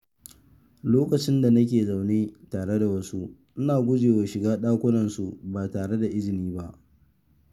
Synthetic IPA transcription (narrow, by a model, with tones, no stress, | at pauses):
loː˦kɐ˨t͡ʃɪ˦nda˨nɐ˦k̬ʲeː˨za˨wneː˦taː˨ɽe˦da˨wɐ˦su˦ | ʔɪ˦naː˨ɡʷʊ˦d͡ʒeː˨wa˨ʃɪ˨ɡaː˦ɗaː˦kʷʊ˦nɐ˨nsu˨baː˨taː˨ɽe˦da˨ʔɪ˦d͡ʒɪ˨niː˦ba˦ʔ